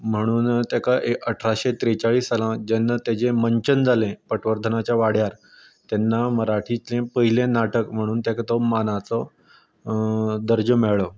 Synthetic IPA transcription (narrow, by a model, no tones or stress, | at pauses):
m̤əɽ̃uːnt̪jakaʔeəʈʰɾaɕet̪ɾet͡ɕaɭiːsalãd͡ʑenːat̪ad͡ʑẽməɲt͡ɕənd͡zʱalẽpəʈʋəɾd̪ʱənat͡ɕjaʋaɽ̤jaɾ | t̪ɛnːaməɾaʈʰit͡slẽpəɦilẽnaʈəkm̤əɽ̃uːnt̪jakat̪ɔmanat͡sɔ | d̪əɾd͡ʑəmɛɭɔ